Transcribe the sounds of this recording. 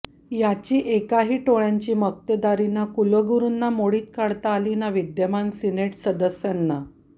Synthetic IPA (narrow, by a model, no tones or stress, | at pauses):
jat͡ɕiːʔekaɦiːʈoɭjaɲt͡ɕiːmək̚t̪əd̪aɾinakulʋəɡuɾuːnːamoɽiːt̪̚kaɽt̪aːlinaʋid̪jəmansineʈsəd̪əsjanːa